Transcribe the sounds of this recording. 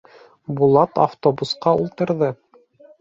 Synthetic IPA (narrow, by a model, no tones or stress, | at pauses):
bulˠɑt̪a̰ft̪obusqɑulˠt̪ɤ̆ɾðɤ